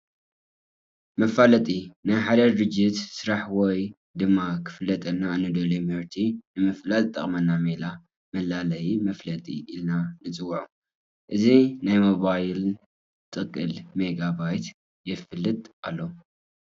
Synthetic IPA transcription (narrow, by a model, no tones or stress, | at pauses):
mɐfalɐt̪ʼinajħad̪ɐɾɨd͡ʒːɪt̪sɨɾaħwɔj | d̪ɨmːakʰɨ̥fɨlːɐt̪ʼɐnːanːɨd̪ɐlumhɨɾt̪ʰinɨmɨflat̪ʼɨt̪ʼːɐ̰χʼmɐnːamela | mɐlalɐjimɐflɐt̪ʼḭʔilnanɨt͡sʼɨwːuʕu | ʔɨzinajmoβajɪl | t̪ʼɨkʼːɨlmeɡaβajt̪ | jɛfɨlːɨt̪ʼʔalːo